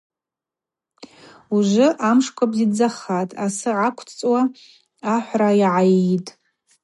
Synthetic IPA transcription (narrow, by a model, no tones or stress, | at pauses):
uʒʷɨʔamʂkʷʰabzid͡zaχatʼasɨʕakʷʰt͡sʼwa | aħʷrajʕajitʼ